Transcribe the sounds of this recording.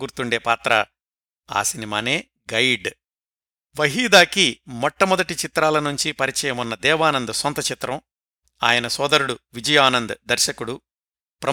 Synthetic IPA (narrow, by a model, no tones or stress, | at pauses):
ɡuːɾt̪uɳɖe̞ːpaːt̪ɾɐ̰ | a̰ːsinimaːne̞ː | ɡɐjɖ | ʋɐɦiːd̪aːkimɔʈːɐmɔd̪ɐʈit͡ʃit̪ɾaːlɐnuɲt͡ʃipɐɾit͡ʃɛːjɐmunːɐd̪ɛːʋaːnɐnd̪ɐsɔnt̪ɐt͡ʃit̪ɾɐm | a̰ːjɐnɐsɔːd̪ɐɾuɽuʋid͡ʒɐjaːnɐnd̪ɐd̪ɐɾʃɐkuɽu | pɾɐ